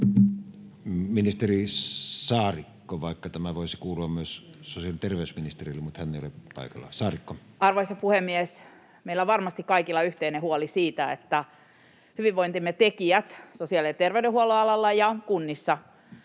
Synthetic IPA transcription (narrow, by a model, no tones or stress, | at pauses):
minist̪erisɑːrikːoʋɑˑikːɑt̪æmæʋoˑisikuːluɑmmyøssosiɑlit̪erʋeˑysminist̪erilːemut̪hænːeˑijo̰lepɑ̰ˑikɑ̰lːɑ̰sɑːrikːo | ɑrʋoisɑpuhemːies | meilːˑæʋɑrmɑst̪ikkɑikilːɑyht̪einehuolisiːt̪æet̪ːæ | hyʋiʋʋoint̪imːet̪ekiæt̪sosiɑliet̪erʋeydehuoloɑlɑlːɑjɑkunːisːɑ